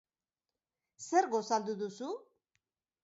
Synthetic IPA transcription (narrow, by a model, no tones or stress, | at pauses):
se̞ɾɣo̞sald̪uðusu